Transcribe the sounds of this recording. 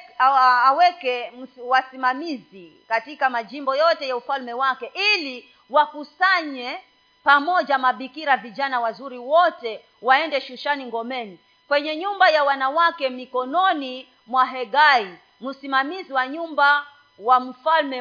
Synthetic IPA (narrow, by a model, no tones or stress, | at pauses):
wɛkɛm̩wasimamizikatikamaʄimbɔjɔtɛjaufalmɛwakɛʔili | wakusaɲɛ | pamɔʄamaɓikiɾaviʄanawazuɾiwɔtɛ | waɛndɛʃuʃaniŋɡɔmɛni | kwɛɲɛɲumbajawanawakɛmikɔnɔni | mwaɦɛɡai | musimamiziwaɲumba | wam̩falmɛ